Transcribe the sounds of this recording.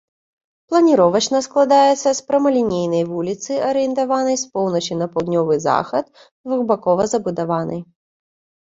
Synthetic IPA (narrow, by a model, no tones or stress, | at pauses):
plˠɐnʲiɾɔvɐt͡ʃnɐsklˠad̪ajɛt̪sːɐspɾɐmɐlʲinʲejnɐjvulʲit̪sɨɐɾɨjɛnt̪avanɐjspɔwnɐt͡ʃinɐpawd̪ʲnʲɔvɨza̰xɐt̪ | d̪vuɣbakɔvɐzɐbud̪avanɨ̰j